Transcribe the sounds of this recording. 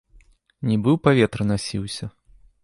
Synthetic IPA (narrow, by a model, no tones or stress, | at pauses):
nʲibɨwpavʲɛt̪ɾɨnasʲḭwsʲɐ